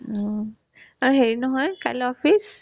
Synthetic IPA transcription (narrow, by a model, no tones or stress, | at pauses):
aɹuɦeɹinɔɦɔjkalɔpʰis